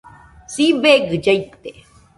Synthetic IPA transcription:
sibeːɡɨd͡ʒɐjt̪ːe

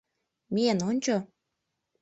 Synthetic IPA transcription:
menonʲt͡ɕo

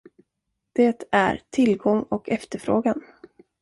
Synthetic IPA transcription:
d̪̥eːt̪æ̰ɾt̪ʰɪlɡɔŋːɔkɛft̪əɾfɾoːɡan

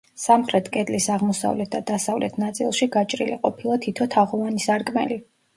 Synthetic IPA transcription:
samχɾɛt̪ʰkʼɛd̪ʼlisaʁmɔsa̰vlɛt̪̚d̪ad̪̥asavlɛt̪ʰnat̪sʼḭlˠʃiɡat͡ʃʼɾḭliqʼɔpʰilˠat̪ʰit̪ʰɔt̪ʰaʁɔvanisaɾkʼmɛ̰li

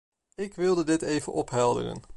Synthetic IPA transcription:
ɪkʋɪlˠdədɪtejvənʔɔpɦɛlˠdə̰rə̰n

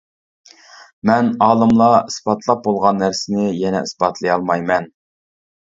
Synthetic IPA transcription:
mɛnɑːlˠɨmlˠɑisbɑt̪ʰlˠɑp̚bolˠʁɑnːæɾsɪnɪjɛnɛ̰isbɑt̪ʰlˠɨjɑlˠmɑjmɛn

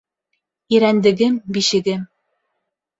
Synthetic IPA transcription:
iɾænd̪ɘ̆ɡɘmbiʃɘ̆ɡɘm

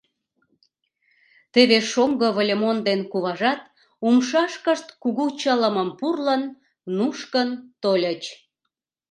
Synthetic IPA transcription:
t̪eβeʃomɡəβolʲemond̪enkuβɑʒɑt̪ | umʃɑʃkəʃt̪kuɣut͡ɕələməmpurlənː | uʃkənt̪olʲət͡ɕ

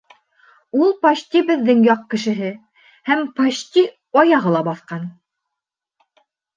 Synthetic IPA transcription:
ulˠpɑʃt̪ʲibɘ̆ðːɘŋjɑq̚kɘ̆ʃɘ̆ɦɘ | hæmpɑɕt̪ʲi | ɑjɑʁɤlˠɑbɑθqɑn

